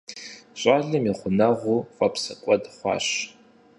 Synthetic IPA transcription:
ɕʷʼaːɮɐmiχʷʊnɐʁʷufʼɐpʰsɐkʷʼɐdχʷɑ̰ːɕ

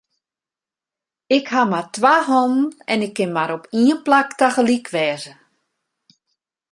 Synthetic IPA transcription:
ɪkhamatʋaɦɔm̩ɛnɪkʰːɪnmaɾɔpiənplaktaɣəlikʰʋɛːzə

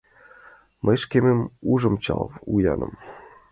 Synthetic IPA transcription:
mʔəjʃkʲemĕmuʐɤ̆mt͡ɕɑ̰lvujɑnɤ̆m

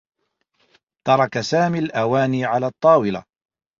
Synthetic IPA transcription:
t̪ɑɾˤɑkasaːmiːlʔawaːniːʕalaːt̪ˤːɑːwɪla̰

